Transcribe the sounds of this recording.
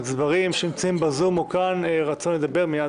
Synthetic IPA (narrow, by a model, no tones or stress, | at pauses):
zvaʁimʃeimt͡saimbazumukanʁat͡sonled̪abe̞ʁmija